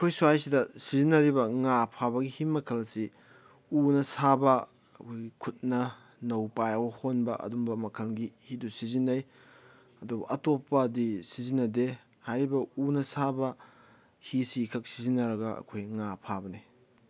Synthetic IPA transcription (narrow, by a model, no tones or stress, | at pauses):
ɐkʰojsuajsidɐsizinːɐɾibɐŋapʰabɐɡihimɐkʰɐlsi | unɐsabɐ | ɐkʰojɡikʰut̚nɐ | nɐwpajɐɡohonbɐʔɐ̰dumbɐmɐkʰɐlɡihidusizinːɐj | ɐdubɐ̰ʔɐtopːɐdisizinːɐde | hajɾibɐunɐsabɐ | hisikʰɐk̚sizinːɐɾɐɡɐɐ̰kʰojŋapʰabɐni